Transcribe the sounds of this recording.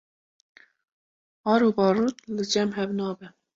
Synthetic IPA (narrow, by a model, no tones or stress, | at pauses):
ɑːɾuːbɑːɾuːt̪lɨd͡ʒɛmɦɛvnɑːbɛ